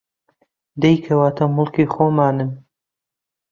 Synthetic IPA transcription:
d̪ɐjkʰɐwaːt̪ʰɐmʊlˠkiːxoːmaːnɨm

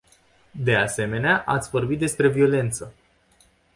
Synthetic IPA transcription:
d̪e̞ase̞me̞neaʔat̪sʲvo̞rbit̪̚d̪e̞spɾe̞vio̞le̞nt̪sə

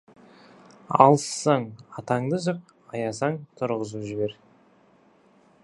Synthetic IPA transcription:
ɑ̰lˠsːɑɴɑt̪ɑɴd̪əʒəq̚ | ɑjɑsɑŋt̪ʰʊɾʁəzuʒɪbe̞ɾ

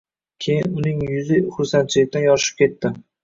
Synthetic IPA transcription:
kʲʰe̞jɪnʊnɪŋjʊzɪχʊɾsant͡ʃʰɪlɪk̚ʲt̪anjɒʃɪ̥p̚kʲe̞t̪ːɪ

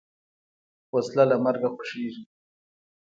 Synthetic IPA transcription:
waslalamaɾɡaxʊ̥ʂeʐi

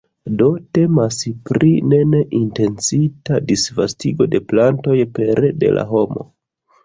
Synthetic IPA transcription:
do̞te̞maspɾʔine̞neʔinte̞nsitadisvastiɡo̞de̞planto̞jpe̞ɾde̞̰la̰ɦo̞mo̞̰

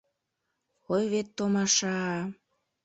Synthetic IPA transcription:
ojβet̪ːomɑʃɑ

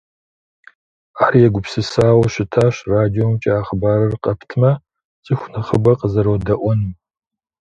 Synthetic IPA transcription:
aːɾijɛɡʷʊpsɨsaːwɐʃɪtʰaːɕraːdiomt͡ʃʼɐaːχəbaːɾɐrqʼɐpʰtʰmɐ | t͡sʼɨxʷnɐχəbɐqəzɐɾoːdɐʔʷɔnɨm

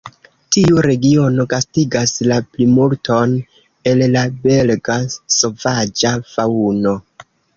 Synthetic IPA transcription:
tiuɾe̞ɡio̞no̞ɡastiɡaslaplimultʰo̞n | e̞lːabe̞lɡaso̞vad͡ʒafauno̞

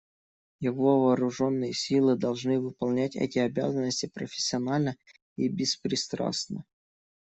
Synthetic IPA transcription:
jɪvo̞vɐːɾʊʐo̞nːɨjəsʲilˠɨd̪ɐlˠʐnɨvɨpɐlˠnʲætʲɛ̰tʲɪɐbʲa̰zənːəsʲtʲɪpɾəfʲɪ̥sʲːɪɐnalʲnə | ibʲɪspɾʲɪst̪ɾa̰snə

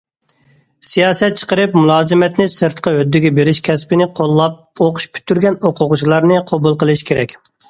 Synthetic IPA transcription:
sijɑːsɛt̪̚t͡ʃʰə̥qəɾɨpmulˠɑːzɨmɛt̪nɪsɨɾt̪qʰɑød̪ːɪɡʲɛbeɾɪʃkʲʰɛspɪnɪqʰolˠːɑp̚oqʊ̥ʃpʰy̥t̪ʰːyɾɡʲɛnoqʰʊʁʊt͡ʃʰilˠɑɾnɨqʰobulˠqəlˠɨʃkʲʰeɾɛkʲ

